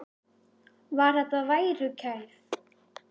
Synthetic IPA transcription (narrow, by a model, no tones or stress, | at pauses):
vaɾat̪avajɾʏcʰajθ